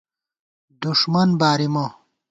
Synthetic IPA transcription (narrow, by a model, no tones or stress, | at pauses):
d̪uʂmɐnbaːɾimo